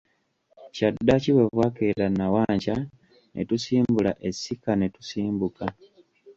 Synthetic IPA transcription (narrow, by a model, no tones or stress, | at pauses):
cadːaciwe̞vwakeɾanawaːɲca | nʔḛtusiːmbulaʔe̞sikane̞tu̥siːmbuka